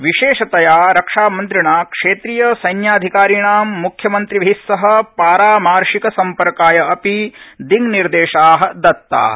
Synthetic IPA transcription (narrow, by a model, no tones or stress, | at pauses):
ʋiʃeːʃɐt̪ɐjaːɾɐkʂaːmɐnt̪ɾiɳaːkʂeːt̪ɾiːjɐsɐjnjaːd̪ʱikaːɾiɳaːmːukʰjɐmɐnt̪ɾibɐɦisːɐɦɐ̆paːɾaːmaːɾʂikɐsɐmpɐɾkaːjɐɐpid̪iŋniɾd̪eːʃaːɦɐ̆d̪ɐt̪ːa̰ː